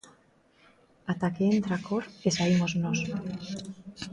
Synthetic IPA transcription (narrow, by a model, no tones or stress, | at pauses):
at̪akeent̪ɾakoɾesaimoznos